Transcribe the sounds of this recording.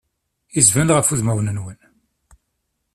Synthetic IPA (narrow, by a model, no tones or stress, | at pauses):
izvænʁəfuðmæwnənwən